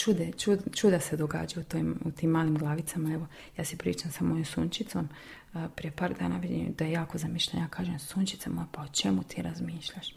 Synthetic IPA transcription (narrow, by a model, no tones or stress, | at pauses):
t͡ʃud̪et͡ʃud̪t͡ʃud̪ase̞d̪oɡa̰ːd͡ʒaut̪oimut̪iːmːaːlimɡlˠaːʋit̪samaeʋo̞ | jaːsipɾḭːt͡ʃamsamojomsunt͡ʃit̪som | pɾije̞paːɾd̪a̰ːna̰ʋided̪ajejaːkozamiʃʎan̰jaːkʰaːʒemsunt͡ʃit̪samopaot͡ʃe̞mut̪ʰiːɾazmiːʃʎaʃ